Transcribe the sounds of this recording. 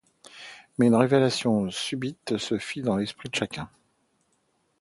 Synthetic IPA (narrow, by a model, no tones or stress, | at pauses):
mɛynʁevelasjɔ̃sybit̪səfid̪ɑ̃lɛspχid̪əʃakʲɛ̃